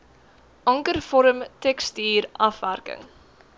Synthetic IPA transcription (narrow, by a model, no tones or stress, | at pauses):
ʔɐŋkərfɔɾəmtɛkstiːɾʔɐfværkə̰ŋ